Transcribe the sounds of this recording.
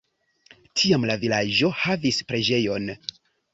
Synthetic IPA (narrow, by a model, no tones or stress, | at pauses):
tʰiamlavilad͡ʒo̞havispɾe̞d͡ʒe̞jo̞n